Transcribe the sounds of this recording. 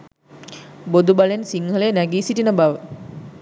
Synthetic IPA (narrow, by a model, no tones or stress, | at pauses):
bod̪ubalensiŋɦəlejnæɡiːsiʈinəbaʋə